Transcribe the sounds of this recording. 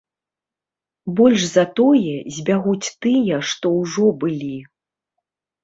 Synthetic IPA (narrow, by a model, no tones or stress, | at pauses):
bɔlʲʂzɐt̪ɔjɛzʲbʲaɣut͡sʲt̪ɨjɐʂt̪ɔwʐɔbɨlʲi